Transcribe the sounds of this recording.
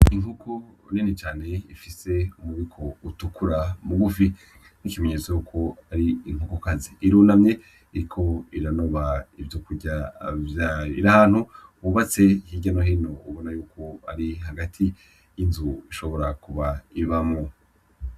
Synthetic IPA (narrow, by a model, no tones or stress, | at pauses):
iŋhukʰoninet͡ʃaːne̞ifise̞umuβikʰo̞utukʰuɾamuɡufi | nikimeɲeːt͡sojuːkʰo̞aɾiiŋhukokaziiɾuːnamɲe̞ | iɾikʰo̞iɾano̞βaivjokuɟavjaːjoiɾahaːn̥huuβat͡se̞hiɟanoɦino̞uβo̞najuːkʰo̞a̰ɾiɦaɡatʰi | jinzuiʃoβo̞ɾakuβaiβamŋo